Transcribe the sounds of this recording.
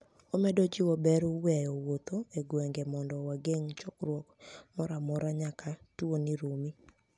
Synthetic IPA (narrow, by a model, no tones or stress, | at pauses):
omɛdɔd͡ʒɪwɔbɛɾowɛjɔwot̪oeɡwɛŋɡɛmɔndɔwaɡeŋt͡ʃɔkɾwɔkmɔɾamɔɾaɲakʰatwoniɾomi